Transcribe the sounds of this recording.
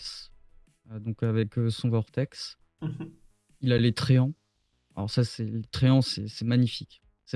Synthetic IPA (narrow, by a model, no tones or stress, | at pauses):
s | ød̪ɔ̃kavɛkøsɔ̃vɔʁt̪ɛks | ilalet̪χeɑ̃ | a̰lɔ̰ʁsasɛlet̪χeɑ̃sɛsɛmaɲifikʲ | sɛ